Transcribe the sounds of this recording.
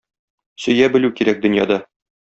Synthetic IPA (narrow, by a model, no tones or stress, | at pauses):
sɵ̆jæbɘ̆lʉkiɾæk̚d̪ɵ̆njɑ̰d̪ɑ